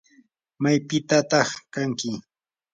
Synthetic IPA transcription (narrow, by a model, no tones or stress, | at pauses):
majpɪt̪at̪ɑχkaŋkɪ